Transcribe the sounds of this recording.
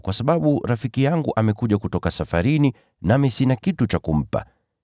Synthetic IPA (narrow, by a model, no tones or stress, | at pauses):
kwasaɓaɓuɾafikijaŋɡuʔamɛkuʄakutɔkasafaɾini | namisinakitut͡ʃakum̩pa̰